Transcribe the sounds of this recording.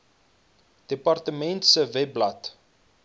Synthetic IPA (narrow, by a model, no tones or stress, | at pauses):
d̥epɑrtəmɛntsəvɛblɐt